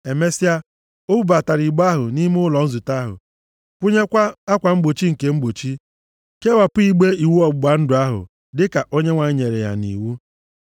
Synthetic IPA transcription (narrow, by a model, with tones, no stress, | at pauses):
e˨me˦si˦a˦ | o˦bu˦ba˨ta˨ɾi˨ɡ͡ba˦ɦʊ˨ni˦m˦ʊ˦lɔ˨n̩˦zu˨ta˦ɦʊ̰˨ | kʷʊ˦ɲe˦kʷa˦a˦kʷa˨ŋ͡m̩˦ɡ͡bo˨t͡ʃi˦ŋ̩˨ke˨ŋ͡m̩˦ɡ͡bo˨t͡ʃi˦ | ke˦wa˨pʊ˦i˦ɡ͡be˦i˨wu˦ɔ˦˨ɡ͡ba˨n̩˦dʊ˨a˦ɦʊ̰˨ | dɪ˦ka˨ʔo˦ɲe˦ŋʷa˨ɲ˦ɲe˨ɾḛ˨ja̰˨nḭ˨wu˦